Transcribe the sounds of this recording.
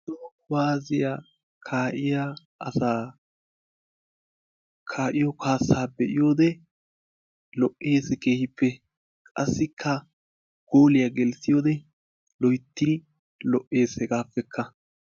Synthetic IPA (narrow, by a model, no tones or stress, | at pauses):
d̪ɔkʊwaːzɪja | kʰaːʔɪja | ɐsaː | kʰaːʔɪjɔkʰaːsaːbɛʔɪjo̞ːd̪ɛ | lɔʔʔe̞ːsɛke̞ːhɪpːɛ | kʼɐsːɪkʰːɐ | ɡ̥oːlɪjaɡɛlsɪjoːd̪ɛ | lɔjt̪ːɪ | lɔʔːe̞ːsɛɡaːfːɛkʰːɐ